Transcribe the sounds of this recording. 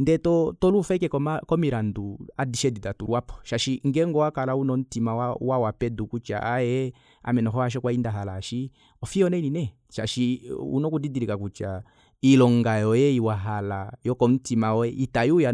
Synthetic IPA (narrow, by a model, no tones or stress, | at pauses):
ndɛtɔtɔlufɛkɛkɔmakɔmiɾanduadiʃɛdidatuɾwapɔ̥ʃaʃiŋɡɛŋɡɔakalaunɔn̩timawawawapɛdukut͡ʃa̰ʔajɛ | a̰mɛnɔɦɔaʃ̬ɔkwaindaɦalaʃi | ɔfiɔnɛninɛ | ʃaʃiṵnɔkudidiɾikakut͡ʃa | ilɔŋɡajɔjɛiwaɦalajɔkɔn̩timaɔɛʔitajuja